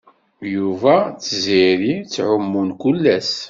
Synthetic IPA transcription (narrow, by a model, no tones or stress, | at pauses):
juvæt͡sːziɾit͡sːʕʊmːunkulːæs